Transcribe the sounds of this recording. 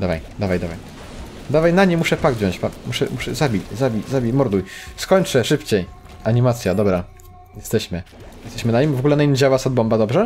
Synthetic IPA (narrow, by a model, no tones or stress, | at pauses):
d̪avajd̪avajd̪avaj | d̪avajnaɲimuʂɛpaɡd̪vʲjɔ̃ɲ̃t͡ɕpamuʂɛ̰muʂɛzabʲit͡ɕzabʲizabʲimɔɾd̪ujskɔɲt͡ʂɛʂɘpt͡ɕej | aɲimat̪sʲjad̪ɔbɾa | jɛst̪ɛɕmɘ | jɛst̪ɛɕmɘnaɲimvɔɡulɛnaɲimd͡ʑawasɔd̪bɔmbad̪ɔbʐɛ